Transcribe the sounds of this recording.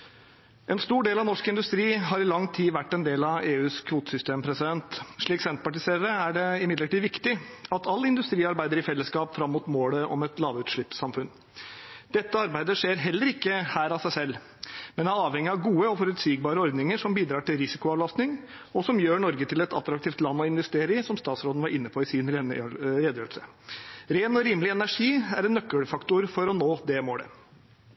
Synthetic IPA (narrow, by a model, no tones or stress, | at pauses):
ɛnst̪uːɖeːlɑʋnɔʂkɪnd̪ʉst̪ɾiːɦɑɾɪlɑŋːt̪ʰiːʋæʈːɛnd̪eːlɑʋeːʉːskʰʋuːt̪ə̥sʏst̪eːmpʰɾɛsɪd̪ɛnt̪ʂɭiːksɛnt̪̚pɑʈɪseːɾəɾəæɖɛɪmɪd̪ləʈiːʋɪkt̪ɪɑt̪ʰɑlːəɪnd̪ʉst̪ɾiːɑɾbæɪd̪əɾɪfɛlːəskɑːpfɾɑmːuːt̪moːləʔɔmɛt̪lɑːʋʉːt̪ʂɭɪpsɑmfʉn | d̪̥ɛt̪ːəɑɾbæɪd̪əʂeːɾɦɛlːəɾɪkːəhæːɾɑsæɪsɛlː | mɛnæɑːʋɛŋːɪɑʋɡuːəɔfɔɾʉt̪siːɡ̚bɑːɾəɔɾd̪nɪŋəʂɔmbiːd̪ɾɑːʈɪlɾɪsɪkʊɑʋlɑst̪nɪŋ | ɔsɔmjøːɳɔɾɡət̪ʰɪlɛt̪ɑt̪ɾɑk̚t̪ʰiːft̪lɑnːɔɪnʋɛst̪eːɾɪsɔmst̪ɑːt̪sɾoːd̪n̩ʋɑɾɪnːəpʰɔɪsɪːnɾɾeːd̪jəlsə | ɾeːnɔɾiːmlɪɛnæʂiːæɾɛnːœkːəɽfɑkt̪ʊɾfɔɾɔnoːd̪ɛmoːɽə̰